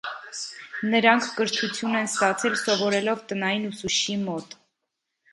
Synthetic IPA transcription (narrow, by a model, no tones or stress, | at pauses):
nəɾɑŋkʰːəɾt̪ʰut͡sʰjunɛnst̪ɑt͡sʰɛlsɔvɔɾɛlɔvt̪ənɑjinusuʃimɔt̪